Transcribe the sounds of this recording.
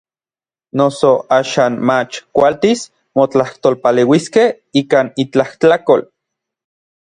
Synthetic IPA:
nosoaːʃaːnmat͡ʃkʷalt̪is | mot͡ɬaht̪olpalewiskeh | ikanit͡ɬaht͡ɬakol

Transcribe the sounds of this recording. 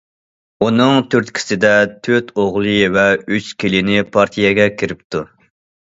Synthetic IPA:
unɨŋt̪ʰøɾt̪kʲʰi̥sɪd̪ɛt̪ʰøt̪ʰoʁlˠɨvɛyt͡ʃkʲʰelɪnɪpʰɑɾt̪ʰijɛɡʲɛkʲʰiɾɪp̚t̪ʰu

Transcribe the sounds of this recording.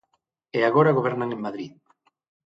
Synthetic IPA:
eaɣoɾaɣoβɛɾnaŋeŋmaðɾið

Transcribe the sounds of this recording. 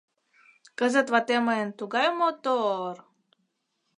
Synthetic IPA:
kəzət̪βɑt̪eməjənt̪uɡɑjmot̪or

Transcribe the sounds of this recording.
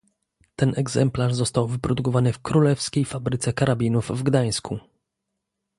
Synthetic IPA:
t̪ɛnɛɡzɛ̰mplaʐzɔst̪awvɘpɾɔd̪ukɔvanɘfkɾulɛfskʲejfabɾɘt̪sɛkaɾabʲinuvːɡd̪aj̃skʰu

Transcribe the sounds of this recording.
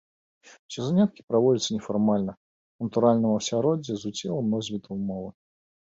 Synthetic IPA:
w̥sʲɛznʲɛt̪̚kʲi̥pɾavɔd͡zʲɐt̪sənʲɛfarmalʲnɐ | nət̪uɾalʲnɐvɐwsʲaɾɔd͡zʲːɛzut͡sʲɛlˠəmɔzʲvʲit̪ɐwmɔvɨ

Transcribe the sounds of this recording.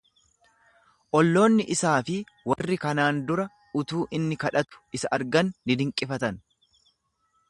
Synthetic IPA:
ʔɔlːo̞ːnːɪʔɪsaːfɪ | wɐrːɪkɐnaːnd̪ʊɾɐ | ʊt̪uːʔɪnːɪkɐᶑɐt̪ʊ̥ʔɪsɐʔɐɾɡɐnːɪd̪ɪŋkʼɪfɐt̪ɐn

